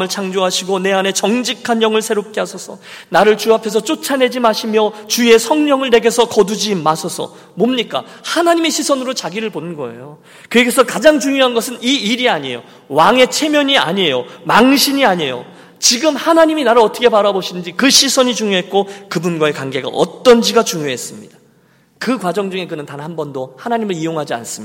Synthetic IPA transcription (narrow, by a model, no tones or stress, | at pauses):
mɯɭt͡ɕʰaŋd͡ʑoɦaɕʰiɡone̞ane̞t͡ɕʌŋd͡ʑikʰanjʌŋɯɭsʰe̞ɾop̚k͈e̞ɦasʰʌsʰʌ̰naɾɯɭt͡ɕuapʰe̞s̬ʰʌt͡ɕ͈ot͡ɕʰane̞d͡ʑimaɕʰimjʌt͡ɕue̞sʰʌŋɲʌŋɯɭne̞ɡe̞sʰʌkʌdud͡ʑimasʰʌsʰʌ̰ | momɲik͈a̰hanaɲimeɕʰisʰʌnɯɾot͡ɕaɡiɾɯɭponɯnɡʌ̰e̞̰jo | kɯeɡesʰʌkad͡ʑaŋt͡ɕuŋjoɦanɡʌsʰɯniiɾiaɲiejo̰ | waŋe̞t͡ɕʰe̞mjʌɲia̰ɲejomaŋɕʰiɲiaɲe̞jo̰ | t͡ɕiɡɯmhanaɲiminaɾɯɭʌt͈ʰʌkʰepaɾaboɕʰidɯnd͡ʑikɯɕʰisʰʌɲit͡ɕuŋjoɦet̚k͈okɯbunɡwae̞kwaŋɡe̞ɡa̰ʔʌ̰t͈ʌnd͡ʑiɡat͡ɕuŋjoɦe̞s͈ɯmɲid̥ḁ | kɯkwad͡ʑʌŋd͡ʑuŋe̞ɡɯnɯntanɦhambʌndohanaɲimɯɭijoŋɦad͡ʑia̰ns͈ɯmɲida